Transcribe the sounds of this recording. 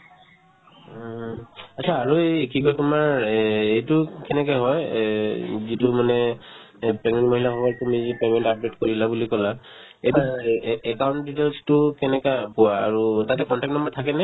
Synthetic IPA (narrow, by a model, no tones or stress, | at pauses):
at͡ʃʰaːɹuejekʰikɔjtʊmaɹejtʊkɛnɛkajɦɔj | zitumanɛ | pɹɛmɛntmoɦilaxɔbɔɹtumizipemɛntap̚detkoɹilabulikɔla | ejtuɛkawntditɛlstʊkɛnɛkapʊa̰ːɹutatɛkɔntɛk̚tnɔmbɔtʰakɛnɛ